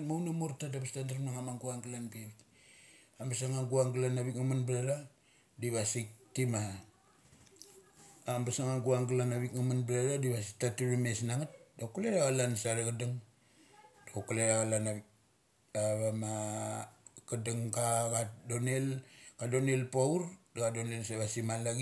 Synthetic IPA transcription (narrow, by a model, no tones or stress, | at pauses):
maunamoɾtadaβastandaɾmnaŋamaŋɡuaŋɡalanbeβik | ambas̬aŋaŋɡuaŋɡlanaβikŋamanbɾaɾa | diβasik̚tima | mbasaŋaŋɡuaŋɡlanaβikŋamanblaɾadiβasitatuɾimesnaŋat̚dokuleɾaɣalansaɾaɡadaŋ | d̥okoleɾaɣalanaβik̚ | aβama | kadaŋɡakadonelkadonelpauɾdaɡadonelsaβasimalaɡi